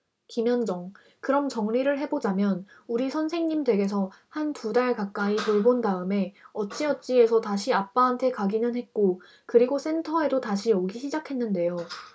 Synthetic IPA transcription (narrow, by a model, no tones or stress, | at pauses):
kimjʌnd͡ʑʌŋ | kɯɾʌmt͡ɕʌŋʎiɾɯɭɦe̞bod͡ʑamjʌn | uɾisʰʌnsʰe̞ŋɲimdwe̞ɡe̞s̬ʰʌhantudaɭkak͈̚aitoɭbondaɯme̞ʌt̚t͡ɕ͈iʌt̚t͡ɕ͈ie̞sʰʌtaɕʰiap͈̚aɦantʰe̞kaɡinɯnɦe̞t̚k͈o | kɯɾiɡos͈e̞ntʰʌe̞dotaɕʰijʌɡiɕʰid͡ʑakʰe̞nːɯnde̞jo